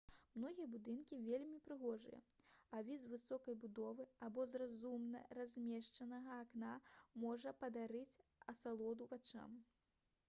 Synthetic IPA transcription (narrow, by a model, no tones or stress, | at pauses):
mnɔɣʲijɐbud̪ɨnkʲivʲelʲmʲipɾɨɣɔʐɨ̰jɐ̰avʲizvɨsɔkɐjbud̪ɔvɨabɔzrazumnɐ̰razʲmʲɛʂt͡ʂɐnɐɣɐːknamɔʐɐpɐd̪aɾɨt͡sʲɐsalˠɔd̪uvat͡ʂa̰m